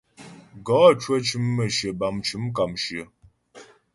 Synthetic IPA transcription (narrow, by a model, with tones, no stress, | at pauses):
ɡɔ˨˦˨t͡ʃwə˦t͡ʃɨ˨˦mːə˨ʃə˨ba˨mt͡ʃɨ˨˦mk̬a˨mʃə˨